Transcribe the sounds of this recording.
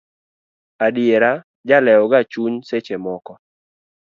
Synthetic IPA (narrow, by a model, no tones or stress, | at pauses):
adɪeɾa | d͡ʒalɛɔɡat͡ʃuɲset͡ʃemɔkɔ